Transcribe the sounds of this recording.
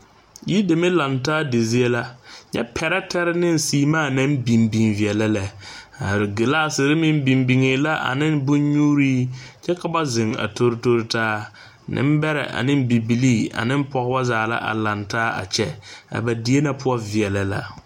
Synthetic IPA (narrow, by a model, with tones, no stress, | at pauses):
ji˦de˨me˦la˨ntaː˦de˨zi˦e˦la˦ɲɛ̰˦pʰɛ˨ɾɛ˦tʰɛ˦ɾɪ˦nɪ˦n˨siː˨maː˦˨nã˦m˦bi˨mbi˨nvɪ˨ɛ˨la˦lɛ˨˦ | a˨ɾɡɪ˨laː˦sɪ˨ɾɪ˦mɪ˦m˦bi˨mbi˨ŋeː˨la˦ʔa̰˨nɪ̃˦nbʊ˦ɲɲuː˦ɾiː˦t͡ʃɛ˦ka˨ba˦zɪ˨ŋa̰˨tʰo˦ɾto˦ɾɪ˦taː˦ | nʔɪ̰˦m˦bɛ˦ɾɛ̰˨ʔa̰˨nɪ̃˦m˦bi˨bi˨liː˦a̰˨nɪ̃˦m˦pɔ˨ɣba˦zaː˨la̰˦ʔa̰˨la˨ntaː˦a̰˨t͡ʃɛ˦a̰˨ba˨di˨˦e˦na˨pʰʊ˦ɔ˦vɪ˨ɛ˨la˨la̰˨